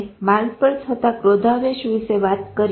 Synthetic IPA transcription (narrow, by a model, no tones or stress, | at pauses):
malɡpəɭt͡ʃʰət̪akɾod̪ʱaʋeʃʋiʃeʋat̪kəɾ